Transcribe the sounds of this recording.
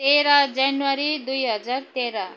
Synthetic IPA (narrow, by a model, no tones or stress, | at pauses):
eɾad͡zanwaɾid̪ujɦʌd͡zaɾt̪eɾa